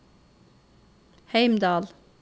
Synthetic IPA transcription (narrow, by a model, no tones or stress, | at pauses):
hejmd̪ɑːl